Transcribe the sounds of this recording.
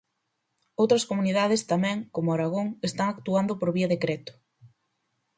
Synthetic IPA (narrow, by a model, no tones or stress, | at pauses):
owt̪ɾɐskomuniðaðest̪amɛ̃ŋkomʊaɾaɣoŋest̪aŋakt̪uand̪ʊpoɾβiɐðekɾɛt̪ʊ̥